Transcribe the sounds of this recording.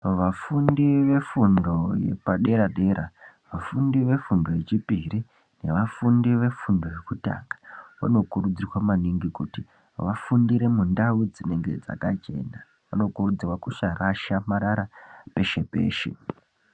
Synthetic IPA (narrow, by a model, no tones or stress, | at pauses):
ʋafundiʋe̞fundo̞je̞̰paɗe̞ɾaɗe̞ɾa | ʋafundiʋe̞fundo̞je̞t͡ʃipiri | ne̞ʋafundiʋe̞fundo̞je̞kuta̰ŋɡḁʋa̰no̞kurud͡zirwamaniŋɡikuti | ʋafundiɾe̞mundaud͡zine̞ŋɡe̞̰d͡za̰kat͡ʃe̞̰ːna | ʋano̞kurud͡zirwakuʃaraʃamaɾaɾape̞ʃe̞pe̞̰ːʃḛ